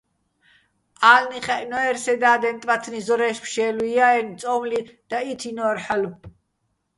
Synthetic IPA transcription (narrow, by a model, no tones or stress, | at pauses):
aːlniχɛʔnɔɛɾsɛd̪aːd̪ɛnt̪ʼvat̪ʰnizɔɾɛʃpʰʃɛːlujaɛnt̪t͡s̪ʼɔmlid̪̥ait̪ʰinɔɛɾħalu